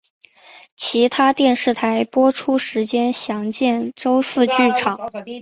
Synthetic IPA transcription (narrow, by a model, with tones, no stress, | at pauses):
t͡ɕʰi˧˥t̪ʰa˥t̪jɛ˥˧nʂɻ̩˥˩t̪ʰa˧˥ɪpwɔ˥ʈ͡ʂʰu˥ʂɻ̩˧˥t͡ɕjɛ˥nɕjɑ˧˥ŋt͡ɕjɛ˥˩nʈ͡ʂo˥ʊsɹ̩˥˧t͡ɕy˥˩ʈ͡ʂʰɑ˨˩˦ŋ